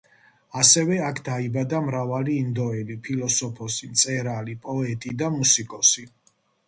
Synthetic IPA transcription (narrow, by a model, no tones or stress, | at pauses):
asɛvɛakʰd̪aibad̪amɾavaliːnd̪ɔɛlipʰilɔsɔpʰɔsimt̪sʼɛɾalipʼɔɛt̪ʼid̪amusikʼɔsi